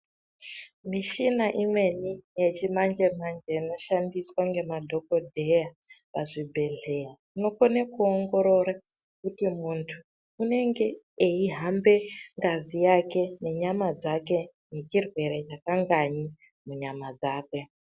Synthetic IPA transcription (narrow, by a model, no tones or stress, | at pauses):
miʃinaʔimwe̞nije̞t͡ʃimand͡ʒe̞mand͡ʒenoʃandiswaŋɡe̞madʱo̞ko̞dʱe̞ja | paʐibʱe̞ɮe̞ja | ino̞konekuoŋɡo̞ɾo̞ɾa | kutimuntʰuː | ne̞ŋɡe̞ː | iɦambe̞ŋɡazijake̞ne̞ɲamad͡zake̞ | ne̞t͡ʃirwe̞ɾet͡ʃakaŋɡaɲi | muɲamad͡zaːke̞